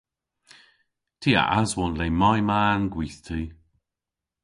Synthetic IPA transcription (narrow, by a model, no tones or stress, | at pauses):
tʰiːa̰ʔazwɔnleːmajmaːnɡwiːθt̪ʰiː